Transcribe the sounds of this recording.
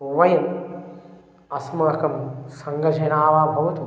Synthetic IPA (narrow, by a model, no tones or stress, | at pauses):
ʋɐjɐm | ɐsmaːkɐmsɐŋɡɐd͡ʒɐnaːʋaːbʱɐʋɐt̪u